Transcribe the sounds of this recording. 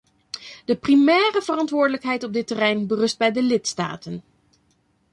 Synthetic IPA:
dəprimɛːrəvərɑntʋʊːɹdələkɦɛjtɔb̚dɪtərɛjnbərɵsd̚bɛjdəlɪtsta̰ːtən

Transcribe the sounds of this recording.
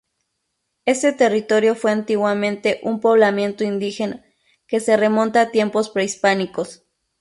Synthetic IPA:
eset̪erit̪oɾjofweant̪iɣwamẽnt̪eʔumpoβlamje̞nt̪oind̪ixena | keseremo̞nt̪aːt̪je̞mpospɾeispanikos

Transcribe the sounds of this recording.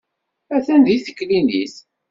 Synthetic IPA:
æθænðiθə̥kːlinḭs

